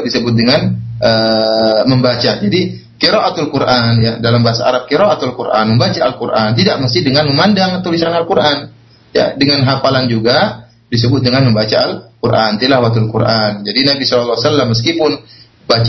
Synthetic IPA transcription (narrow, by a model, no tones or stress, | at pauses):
disəbʊt̪̚dəŋanʔə | məmbat͡ʃad͡ʒadi | kiɾoʔat̪alkuɾʔanjadalambaɦasa̰a̰ɾap̚kiɾoʔat̪alkurʔa̰nməmbat͡ʃaalkurʔant̪idaʔ̚məst̪ɪhdəŋanməmandaŋt̪ulisanalkuɾʔan | ja̰dəŋanɦapaland͡ʒuɡa | disəbʊt̪̚dəŋanməmbat͡ʃaalkuɾʔant̪ilahwat̪ulkurʔand͡ʒadinabisɔlalːawasalːamːəskipʊn | bat͡ʃ